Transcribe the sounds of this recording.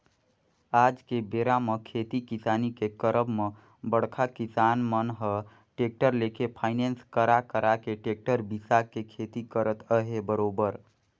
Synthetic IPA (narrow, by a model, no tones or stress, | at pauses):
ad͡ʒkebeːɾamekʰet̪ikisaːnikekəɾəbme | bəɽkʰakisanmənɦə | ʈek̚ʈəɾlekepʰaɪnenskəɾakəɾakeʈek̚ʈəɾbisakekʰet̪ikəɾət̪əɦebəɾoːbəɾ